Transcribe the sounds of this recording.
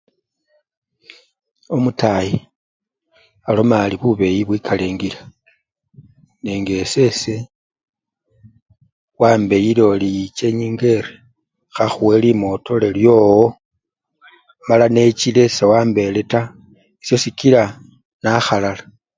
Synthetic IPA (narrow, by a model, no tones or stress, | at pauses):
o̞mutaji | alo̞maːliβuβe̞jiβwikʰaleːŋɡila | neːŋɡe̞se̞se̞ | waːmbe̞jilo̞lijit͡ʃe̞ɲiːŋɡe̞ɾe | xaxuwe̞limo̞to̞leljo̞ːwo | malane̞t͡ʃile̞sewaːmbe̞le̞ta | isjo̞sikiɾa | naxalala